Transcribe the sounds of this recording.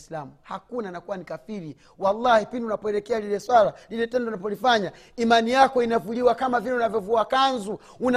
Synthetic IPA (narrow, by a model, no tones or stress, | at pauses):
slamuhakunanakuwanikafiɾi | walːahipindiunapɔɛlɛkɛalilɛswalalilɛtɛndɔunapɔlifaɲa | imanijakɔinavuliwakamavilɛunavjɔvuakanzu | un